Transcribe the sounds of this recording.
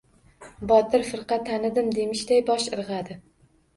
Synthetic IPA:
bɒt̪ʰɪɾfɨɾqɑt̪ʰːanɪd̪ɪmd̪e̞mɪʃd̪ajbɒʃɨɾʁɑd̪ɪ

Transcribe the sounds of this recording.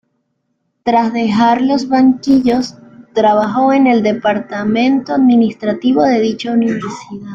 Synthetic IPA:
t̪ɾazðe̞xaɾlo̞zβaŋkiʝo̞st̪ɾaβ̞axo̞e̞ne̞ld̪e̞paɾt̪amẽ̞nt̪oaðminist̪ɾat̪iβo̞ðe̞ðit͡ʃauniβe̞ɾsiðað

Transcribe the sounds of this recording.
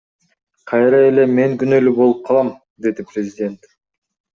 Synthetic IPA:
qʰɑjɾɑe̞le̞meŋɡynølybo̞lˠup̚qʰɑlˠɑm | d̪e̞d̪iprʲɪzʲɪdʲe̞nt̪

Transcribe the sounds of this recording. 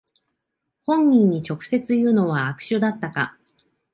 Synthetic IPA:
hõ̞ɲ̟ːĩɲ̟ːit͡ɕo̞kɯ̟̥se̞t͡sɨjɯ̟ːno̞βaːkɯ̟̥ɕɨd̪at̪ːaka̰

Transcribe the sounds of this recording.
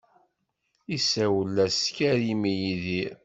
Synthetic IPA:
isæwəlːæskæɾimijiðiɾ

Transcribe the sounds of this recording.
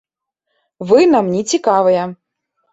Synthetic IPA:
vɨnamnʲit͡sʲikavɐjɛ

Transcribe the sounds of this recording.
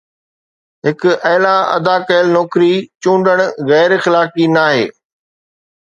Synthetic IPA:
ɦɪkʊɐːlaɐ̰d̪aːkɐɪlnoːkɾit͡ɕũːɳɖəɽ̃ɣɛːɾxɪlaːkinaːɦḛː

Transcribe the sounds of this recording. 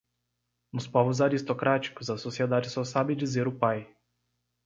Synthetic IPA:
nʊspɔvʊzaɾist̪okɾat͡ʃi̥kʊzɐsosied̪ad͡ʒɪsɔsabɪd͡ʒizeɾʊpaj

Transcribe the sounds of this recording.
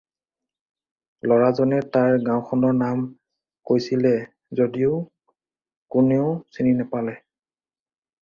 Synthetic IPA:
lɔɹazɔnɛtaɹɡãwʊxʰɔnɔɹnam | kojsilɛ | zodiʊ | kuneʊsininɛpalɛ

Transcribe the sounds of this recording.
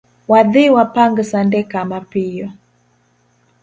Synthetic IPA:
waðɪwapaŋɡsandɛkamapijɔ

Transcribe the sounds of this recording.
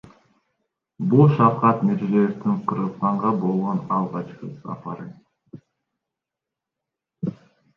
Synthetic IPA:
bulˠʃɑqɑt̪miɾzejeft̪iɴqʰɯɾʁɯsq̪ɑɴʁɑbo̞lˠʁonɑlˠʁɑt͡ʃqɯsɑ̰pɑɾɯ

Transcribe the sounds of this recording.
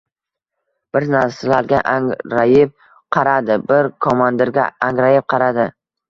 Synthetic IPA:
b̥ɪɾnaɾsɪlaɾɡʲaʔaŋɾajɪp̚ | qʰɑɾad̪ɪbɪɾkʰomand̪ɪɾɡʲa̰aŋɾajɪp̚qʰɑɾad̪ɪ

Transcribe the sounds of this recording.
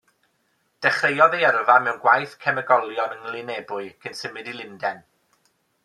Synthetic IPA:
d̥ɛχrejɔðejɛrvamɛwnɡwajθkʰɛməɡɔlˠjɔnəŋlˠɪnebʊɨkʰənsəmɨdilˠɪndɛn

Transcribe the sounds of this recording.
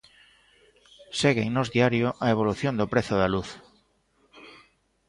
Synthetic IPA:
seɣeŋnozðiaɾjoʔaeβ̞oluθjond̪opɾeθoðaluθ

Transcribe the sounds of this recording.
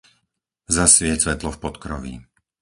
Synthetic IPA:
zasʋɪɛt͡sʋɛt̪lɔfpɔt̪kɾɔʋḭ

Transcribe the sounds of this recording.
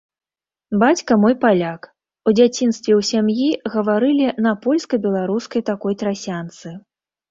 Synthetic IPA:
bat͡sʲkɐmɔjpalʲak | ud͡zʲat͡sʲinst̪vʲɛwsʲamjiɣɐvaɾɨlʲinɐpɔlʲskɐbʲɛlˠaɾuskɐjt̪akɔjt̪ɾasʲant̪sɨ

